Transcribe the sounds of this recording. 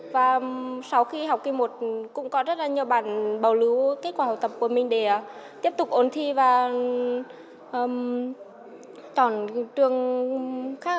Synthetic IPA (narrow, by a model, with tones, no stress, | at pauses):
vaː˨˩sa˨˧wxi˧ɦa˨˩wk͡p̚kːi˧mo˨˩t̚kʊ̰˧˥ŋ͡mkɔ˨˦zə˦˥t̚laː˨˩ɲi˨˩əwɓaː˧˩nɓə˨˩wlɨ˨˦ke˦˥t̚kwaː˧˩a̰˧˨t̪ə˨˩p̚ku˧˩əmï˨˩ŋ̟ɗe˧˩˧t̪i˦˥əp̚t̪ʊ˨˩k͡pk̚ʔo˨˩nt̪ʰi˧vaː˨˩ | ʔəː˧˩m | t̪ɔ˧˩nt͡ɕɨ˨˩əŋ | xaː˦˥